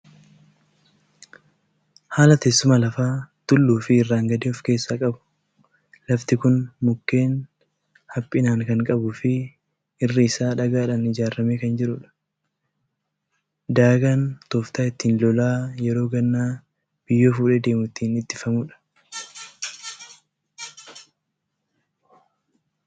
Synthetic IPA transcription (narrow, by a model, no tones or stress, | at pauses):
haːlɐt̪esːʊmɐlɐfaːt̪ʊlːuːfɪɪrːaːŋɡɐd̪iːɔfke̞ːsːaːkʼɐbʊ̥ | lɐft̪ɪkʊnmʊkːe̞ːn | hɐpʼːɪnaːŋkɐŋkʼɐbʊfɪ | ɪrːɪɪsaːᶑɐɡaːᶑɐnɪd͡ʒaːɾɐmeːkɐnd͡ʒɪɾʊᶑɐ̥ | d̪aːɡaːnt̪oːft̪aːɪt̪ːiːnlɔlaːjɛɾo̞ːɡɐnːaː | b̥ɪjːo̞ːfuːᶑɛːd̪e̞ːmʊt̪ːiːnɪt̪ːɪfɐmʊᶑɐ̥